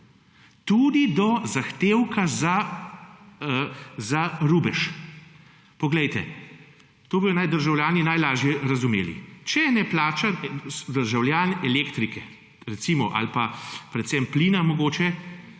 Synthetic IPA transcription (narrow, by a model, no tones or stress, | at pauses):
t̪ud̪id̪ɔzaxt̪eːwkaza | zaɾuːbɛʃ | pɔɡlɛjt̪ɛ̰ | t̪oːbojɔnajd̪əɾʒawljaːninajlaːʒjɛɾazumḛːlḭt͡ʃɛnɛplaːt͡ʃasd̪əɾʒawljaːnɛleːkt̪ɾikɛ | ɾɛt̪simɔʔa̰lpapɾɛt̪sɛmplinamɔɡoːt͡ʃɛ